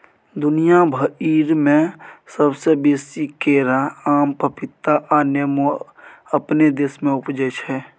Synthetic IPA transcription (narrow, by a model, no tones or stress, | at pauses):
d̪ʊnijabʱəiːɾmẽsəbsebeːsikeːɾaaːmpəpɪt̪ːaʔanemo | əpned̪eːsmẽʊpd͡ʒəʃɦɛː